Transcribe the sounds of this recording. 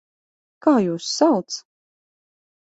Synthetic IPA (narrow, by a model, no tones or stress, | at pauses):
kaːjuːsːalˠt̪s